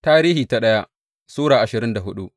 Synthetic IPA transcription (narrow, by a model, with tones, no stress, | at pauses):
taː˦ɾiː˦hiː˨ta˦ɗɐ˦ja˦ʔ | suː˦ɽaː˨ʔa˨ʃɪ˨ɾɪ˦nda˨ɦʊ˦ɗu˦ʔ